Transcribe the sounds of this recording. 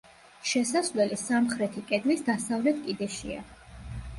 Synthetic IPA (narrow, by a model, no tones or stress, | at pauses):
ʃɛsasvlɛlisamχɾɛt̪ʰikʼɛd̪lisd̪asavlɛt̪̚ʰkʼid̪ɛʃḭa̰